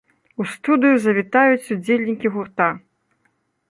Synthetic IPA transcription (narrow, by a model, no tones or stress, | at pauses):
ust̪ud̪ɨjuzɐvʲit̪ajut͡sʲud͡zʲelʲnʲikʲiɣurt̪a